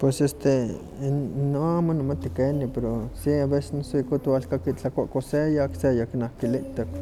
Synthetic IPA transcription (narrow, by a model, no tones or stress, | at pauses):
pwesest̪e | noamanamat̪ikenipeɾosiabese̥snasuikut̪walkakilakʷaʔkosejaksejakinahkiliʔt̪ak